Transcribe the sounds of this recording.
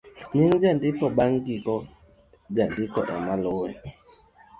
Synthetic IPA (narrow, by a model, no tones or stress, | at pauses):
ɲiŋd͡ʒandikɔɓaŋkikɔ | d͡ʒandikɔʔɛ̰malowɛ̰